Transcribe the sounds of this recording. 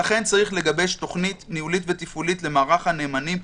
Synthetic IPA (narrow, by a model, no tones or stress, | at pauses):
aχe̞nt͡saʁiχle̞ɡabe̞ʃto̞χnitnihulitve̞t̪ifulitle̞maːʁaχhane̞ːmanim